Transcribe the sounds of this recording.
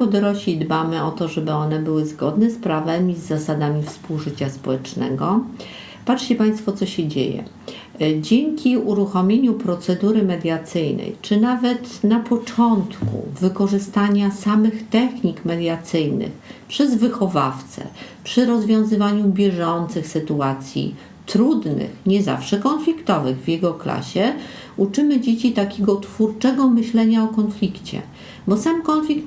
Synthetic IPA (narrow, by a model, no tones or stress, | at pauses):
pɔd̪ɔɾɔɕid̪bamɘɔt̪ɔʐɛbɘɔnɛbɘwɘzɡɔd̪nɛspɾavɛmʲizːasad̪amʲifspuwʐɘt͡ɕaspɔwɛt͡ʂnɛ̰ɡɔ | patʂt͡ɕɛpaj̃st̪fɔt̪sɔɕɛd͡ʑḛjɛ̰ | d͡ʑeŋkʲiuɾuxɔmʲeɲupɾɔt̪sɛd̪uɾɘmɛd̪ʲjat̪sɘjnɛ̰jt͡ʂɘnavɛt̪napɔt͡ʂɔnt̪kṵvɘkɔʐɘst̪aɲasamɘxt̪ɛxɲikmɛd̪ʲjat̪sɘjnɘ̰xpʂɛzvɘxɔva̰ft̪sɛ̰pʂɘɾɔzvʲjɔ̃w̃zɘvaɲubʲjɛʐɔnt̪sɘxsɘt̪uat̪sʲjḭ | t̪ɾud̪nɘ̰xɲɛza̰fʂɛkɔnflʲikt̪ɔvɘɣvʲjɛɡɔkla̰ɕɛ | ut͡ʂɘmɘd͡ʑet͡ɕit̪akʲeɡɔt̪fuɾt͡ʂɛɡɔmɘɕlɛɲaɔkɔnflʲikt͡ɕɛ̰ | bɔsamkɔnflʲikt̪